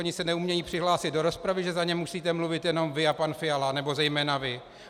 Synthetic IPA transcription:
oɲɪsɛnɛumɲɛjiːpr̥ɪɦlaːsɪt̪̚do̞ɾo̞spɾavɪʒɛzaɲɛmusiːt̪ɛmluvɪt̪jɛno̞mvɪapanfɪjalanɛbo̞zɛjmɛːnavɪ

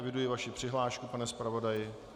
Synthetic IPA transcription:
vɪdujɪvaʃɪpr̝̥ɪɦlaːʃkupanɛspɾavo̞dajɪ

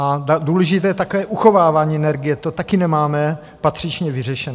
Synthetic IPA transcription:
adaduːlɛʒɪt̪ɛːjɛt̪akovɛːʔuxo̞vaːvaːɲiːɛnɛɾɡɪjɛt̪ot̪akɪnɛmaːmɛ | pat̪r̝̥ɪt͡ʃɲɛvɪrɛʃɛno

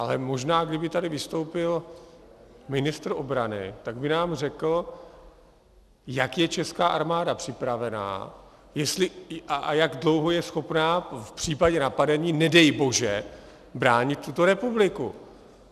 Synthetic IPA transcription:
ʔalɛmo̞ʒnaːɡdɪbɪt̪adɪvɪst̪o̞wpɪl | mɪnɪst̪ɾʔo̞bɾanɪ̰t̪aɡbɪnaːmrɛkl̩ | jakjɛt͡ʃɛskaːʔaɾmaːdapr̥ɪpɾavɛna̰ː | jɛst̪lɪʔaʔa̰jaɡdlo̞wɦo̞jɛsxo̞pnaːfpr̥iːpaɟɛnapadɛɲiːnɛdɛjbo̞ʒɛ | bɾaːɲɪt̪̚tːut̪o̞ɾɛpublɪkṵ

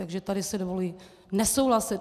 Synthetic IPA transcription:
aɡʒɛt̪adɪsɛdovoliː | nɛsowɦlasɪt̪

